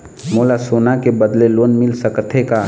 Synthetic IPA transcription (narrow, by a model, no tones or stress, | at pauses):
moːlasoːnakebəd̪leloːnmɪlsəkt̪ʰeka